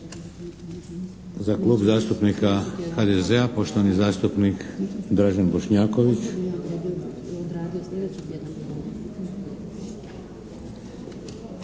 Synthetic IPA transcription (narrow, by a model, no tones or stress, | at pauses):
zaklˠuːbzaːst̪upnikaxad̪ezeapo̞ʃt̪oʋanizaːst̪upnikd̪ɾaʒanboʃɲaːko̞ʋit͡ʃ | d̪ɾad̪ioed̪